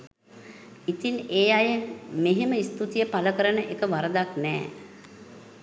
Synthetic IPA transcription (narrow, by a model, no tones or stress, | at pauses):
it̪ineːajəmeɦeməist̪ut̪ijəpaləkəɾənəʔekəʋaɾəd̪aknɛ̰ː